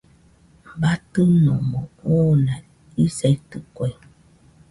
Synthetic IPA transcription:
mbatɨnɔmɔɔna | isɛtɨkwɛ

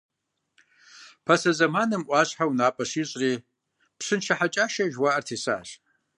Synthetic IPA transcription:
pʰasɐzamanɨmʔʷʼaɕʷħawnaːpʼɐʂiɕʷʼri | pʰʂɨnt͡ʃʰaħat͡ʃʼaʃɐʒwaʔartʰisa̰ːɕ

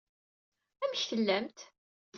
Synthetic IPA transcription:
æmçθəlːæmt̪

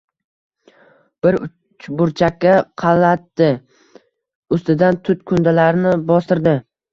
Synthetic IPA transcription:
b̥ɪɾ | t͡ʃbʊɾt͡ʃʰakʲːaqʰɑlˠːat̪ːɪ | ʊst̪ɪd̪ant̪ʰʊt̪̚kʰʊnd̪alaɾnɪbɒst̪ɪɾd̪ɪ

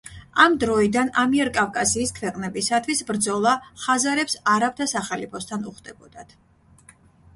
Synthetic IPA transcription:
amd̪ɾɔid̪anʔamiɛɾkʼafkʼasiːskʰwɛqʼnɛbisat̪ʰwisbɾd̪zɔlˠaχazaɾɛpsaɾap̚t̪ʰasaχɛlipʰɔst̪ʰanuχd̪ɛbɔd̪̥at̪ʰ

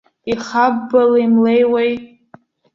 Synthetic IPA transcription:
iχabːalaimlejwej

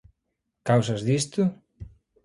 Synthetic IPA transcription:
kawsazðist̪u

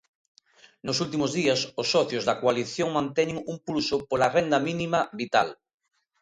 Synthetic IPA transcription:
nosult̪̬imozðiɐsosːɔθjozðɐkoaliθjoŋmãnt̪ɛɲɪŋumpulsopolarend̪ɐmĩnimɐβit̪a̰l

